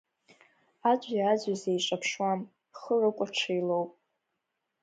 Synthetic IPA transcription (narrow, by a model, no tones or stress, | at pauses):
ad͡ʒʷʼaːd͡ʑʷazejʂʼapʰʂwam | χərɨkʷʼaʈ͡ʂʰɨjlowpʼ